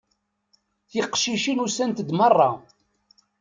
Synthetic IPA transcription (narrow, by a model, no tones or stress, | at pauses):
θiqʃiʃinusænt̪əd̪mɑrˤːɑ